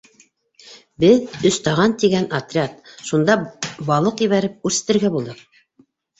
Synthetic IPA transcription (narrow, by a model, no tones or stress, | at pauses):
bɘðɵ̆st̪ɑʁɑnt̪iɡænat̪rʲat̪ʃund̪ɑbɑlˠɤqĭβæɾɘp̚ʉɾsɘ̥̆t̪ɘ̆ɾɡæbulˠd̪ɤq̚